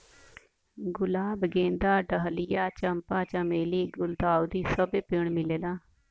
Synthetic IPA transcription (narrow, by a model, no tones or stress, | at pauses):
ɡʊlaːbɡẽːnd̪aːɖəɦlɪjaːt͡ʃəmpaːt͡ʃəmeːliːɡʊld̪aːud̪iːsəbeːpɪɳmɪleːlaː